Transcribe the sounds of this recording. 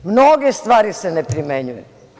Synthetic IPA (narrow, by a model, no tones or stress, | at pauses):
mnoɡest̪ʋaːɾisenepɾimeɲujṵ